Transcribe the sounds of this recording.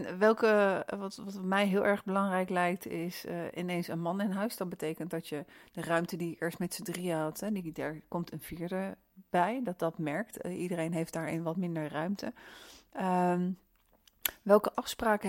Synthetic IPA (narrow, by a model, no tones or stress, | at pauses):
nʋɛlˠkəʋɑtʋɑtmɛjɦɪːlˠʔɛɹχbəlɑŋrɛjklɛjk̚tɪsɪ̰nejnsənmɑnɪnɦœɥsdɑt̚bətejkəntdɑtjəd̥ərœɥmtədijəkɪːɹstmɛtsədriəɦɑtɦɛdidaːɹkɔmtʰənviːɹdə | b̥ɛjdɑt̚dɑtmɛɹk̚tʔidərejnɦejfdaːɹɪ̰nʋɑtmɪndəɹrœɥmtə | ʋɛlˠkəʔɑfspraːkə